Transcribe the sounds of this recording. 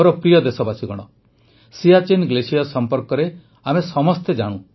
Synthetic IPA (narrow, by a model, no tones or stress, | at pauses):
ɔɾɔpɾijɔd̪esɔbasiɡɔɽ̃ɔ | siat͡ʃenɡlesijasɔmpɔɾkɔɾe | amesɔmɔst̪ed͡ʒaɽ̃ũ